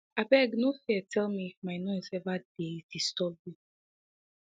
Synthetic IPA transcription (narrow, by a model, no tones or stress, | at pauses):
abɛɡnofɛɛtʰɛlˠmifmaɪnoɪzɛvad̥edistɔb̚i